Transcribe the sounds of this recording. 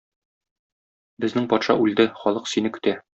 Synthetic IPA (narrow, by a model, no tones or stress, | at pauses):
bɘ̆znɘŋpɒt̪ʃɑ̰ʔʉld̪ɘχɒlˠɤqsinɘkɵ̆t̪æ